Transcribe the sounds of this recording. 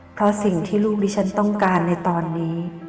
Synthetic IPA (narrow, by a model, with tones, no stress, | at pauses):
pʰɾɔ˦˥si˨˩ŋt̪ʰiː˥˩luː˥˩k̚diː˦˥˩t͡ɕʰa˦˥nt̪ɔ˥˩ŋkaː˧nːa˧jt̪ɔː˧nːiː˦˥